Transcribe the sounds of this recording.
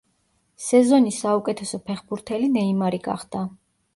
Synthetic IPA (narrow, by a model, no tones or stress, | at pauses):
sɛzɔnisaukʼɛt̪ʰɛsɔpʰɛχbuɾt̪ʰɛlinɛimaɾiɡ̥a̰χd̪̥a